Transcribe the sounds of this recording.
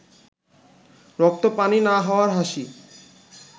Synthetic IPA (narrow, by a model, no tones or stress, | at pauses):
ɾɔk̚t̪opaninaɦɔoaɾɦaʃi